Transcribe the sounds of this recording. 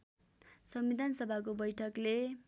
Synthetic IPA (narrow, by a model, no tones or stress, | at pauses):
sʌmbid̪ʱansʌbʱak̬obʌjʈʰʌkle